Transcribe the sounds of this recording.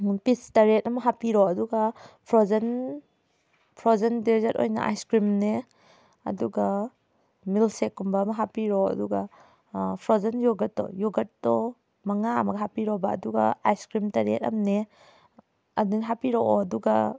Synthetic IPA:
pistaɾet̚ɐmaɦapiɾɔɐduɡapʰɾɔzan | pʰɾɔzandezato̰jna̰ʔa̰jskɾimne | ɐ̰duɡa | milsekːumbaːmaɦapiɾɔɐ̰duɡa | pʰɾɔzanjɔɡatːɔ̰jɔɡatːɔ | maŋaa̰maɡaɦapiɾɔba̰ːduɡa̰ajskɾimtaɾḛtɐ̰mne | adenɦapiɾɔʔɔɐduɡa

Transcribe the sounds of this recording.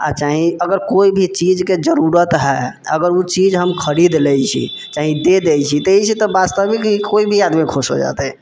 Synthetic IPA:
a̰t͡ʃaɦĩəɡəɾkoibʱit͡ʃid͡ʒked͡ʒəɾuɾət̪ɦɛ | ə̰ɡəɾut͡ʃid͡ʒɦəmkʰəɾid̪lɛjt͡ʃʰḭ | t͡ʃaɦĩd̪ed̪ɛjt͡ʃʰit̪eɦit͡ʃʰit̪ɔbast̪əbikɦikoibʱiad̪mikʰoso̰d͡ʒa̰t̪ɛ

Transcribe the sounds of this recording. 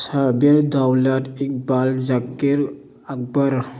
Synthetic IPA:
saɾbiɾdawladik̚balzakːiɾ | ak̚bəɾ

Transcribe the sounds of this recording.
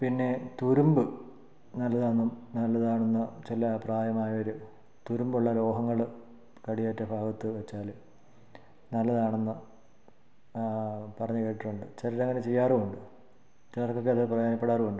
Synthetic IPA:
pinːe̞t̪uɾumbɨ | nɐlːɐðɨɐnːumnɐlːɐðaːɳenːɐt͡ɕilɐpraːjɐmaːjɐo̞ɾu | t̪uɾumbuɭːɐlo̞ːɦɐŋːɐɭɨ | kɐɽijaːjtʈːɐbʱaːɡɐt̪ːɨʋet͡ɕːaːl | nɐlːɐðaːɳenːɨ | pɐrɐɲːukːeʈːiʈːuɳɖɨt͡ɕɐɾiʈːɐŋːɐnet͡ɕe̞jːaːrɨuɳɖɨ | t͡ɕiɐrkːok̬ːeðɐprɐjaːnɐpːeɽaːrɨuɳɖɨ

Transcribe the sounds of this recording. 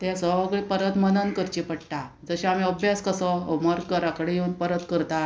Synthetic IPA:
t̪jasəɡɭipəɾət̪mənənkəɾt͡ɕipəɽʈ̪ad͡zəɕaam̤iəbjaskəsəməɾkəɾakəɽejeunpəɾət̪kəɾt̪a

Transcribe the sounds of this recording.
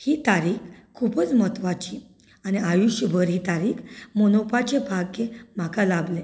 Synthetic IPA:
hit̪aɾiːkkʰːupət͡smət̪ʋat͡ɕi | aniajuɕjəbʱəɾɦit̪aɾiːkmonopat͡ɕebʱaɡkẽm̤akalable

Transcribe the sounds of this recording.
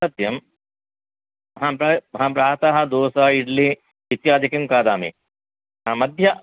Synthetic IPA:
ɐt̪jɐm | ɦãpɾɐɦãːpɾaːɾt̪aɦɐd̪oːsaiɖli | it̪jaːd̪ʱikɐmkaːd̪aːmḭ | ɦãːmɐd̪ʱjɐ

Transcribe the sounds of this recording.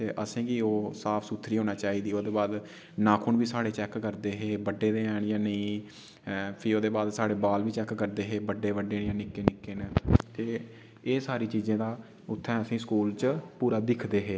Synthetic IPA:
t̪eːʔəsĩːɡiːoːsaːpʰsuːt̪ʰɾiːɦoːnaːt͡ʃaːiːd̪iːoːd̪eːbaːd̪ | naːkʰʊɳʋiːsaːɽeːt͡ʃɛːkːəɾd̪eːɦeːbəɖːeːd̪eːɛːɳjãːnəĩː | pʰiːoːd̪eːbaːd̪saːɽeːbaːlʋiːt͡ʃɛkːəɾd̪eːɦeːbəɖeːʋəɖeːnjãːnɪkːeːnɪkːeːnt̪eː | eːsaːɾiːt͡ʃiːzẽːd̪aː | ʊt̪ʰːɛ̃ːəsĩːskuːlt͡ʃpuːɾaːd̪ɪkʰd̪eːɦeː

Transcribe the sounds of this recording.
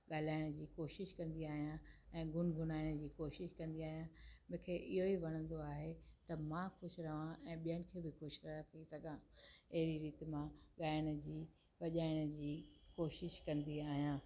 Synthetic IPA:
ɠaːl̤aːɪɽ̃d͡ʑiːkoːʃɪʃkɐ̃nd̪iaːɦijãɛ̃ːɡʱʊnɡʱʊnaːɪɽ̃d͡ʑiːkoːʃɪʃkɐ̃nd̪iaːɦijãmʊ̃ɦɪ̃kʰeːʔɪɦoiʋɐɽ̃ə̃nd̪oaːɦet̪ɐmãkʊʃʊɾɐʋãʔɛ̃ːɓijənɪ̆kʰeːbɪkʊʃɾɐkʰisɐɡʱãɐɦɪɾiɾiːt̪mãɠaːɪɽ̃ə̆d͡ʑiː | ʋɐʄaːɪɽ̃ə̆d͡ʑiːkoːʃɪʃkɐ̃nd̪iaːɦijãː

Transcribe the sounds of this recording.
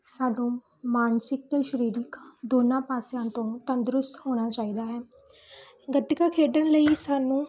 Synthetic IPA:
saːɖõː | maːnsɪk̚t̪eːʃəɾiːɾɪkd̪oːnãːpaːsjãːt̪õːt̪ənd̪ɾʊst̪ɦoːɽ̃aːt͡ʃaːiːd̪aːɦɛː | ɡət̪ɪkaːkʰeːɖənləiːsaːnũː

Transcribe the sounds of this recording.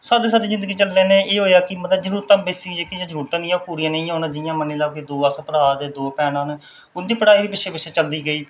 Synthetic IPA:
saːd̪iːsaːd̪iːzɪnd̪əɡiːt͡ʃəllɛːneːeːɦoːeaːkɪmət̪ləbd͡ʒəɾuːɾt̪ãːbeːsid͡ʒeːkĩd͡ʒãːd͡ʒəɾuːɾt̪ãːnɪːãːpuːɾijãːnə̃ĩːõːnãːd͡ʒɪjãːmənːeːlaːkeːd̪oːəsʰpəɾaːd͡ʒed̪oːpɛːnãːn | ʊnd̪iːpəɽaːiːʋiːpɪt͡ʃʰʃʰeːpɪʃʰeːt͡ʃəld̪iːɡəiː

